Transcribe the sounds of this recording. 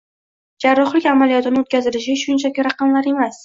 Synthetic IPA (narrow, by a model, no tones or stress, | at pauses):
d͡ʒaɾːɒχlɪkʲamalijɒt̪ɪnɪot̪̚kʲazɪlɪʃ̬ɪʃʊnt͡ʃʰakʲɪɾɑqɑmlaɾe̞mas